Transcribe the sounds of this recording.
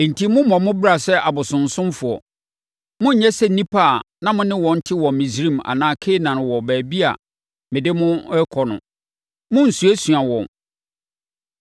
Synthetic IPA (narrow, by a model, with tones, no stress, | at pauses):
n̩˨tʰi˦mʊ̃˦mɔ̃˨mʊ̃˦bɾa˨sɛ˦ʔa˨bʊ˨sʊ̃˨n̩˨sʊ̃˦mfʊ˨ɔ̰˨ | mʊ̃˦ɲ̩˨ɲɛ̃˦sɛ˦˨nĩ˦pʰa˦˨nã˦mʊ̃˦nɪ̃˦wɔ̃˨n̩˦tʰɪ˦wɔ˨mĩ˨sɾĩ˦ma̰˨nãː˨˦kʰe˦nã˨nʊ̃˨wɔ˨bæː˨bi˦a̰˨ | mɪ̃˨dɪ˦mʊ̃˦ɛ˦kʰɔ˨nʊ̰̃˨ | mʊ̃˦n̩˨su˨æ˦sɥa˨wɔ̃˨n